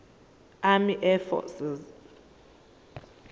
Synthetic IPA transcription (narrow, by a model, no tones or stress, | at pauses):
amiʔɛfɔ̰siz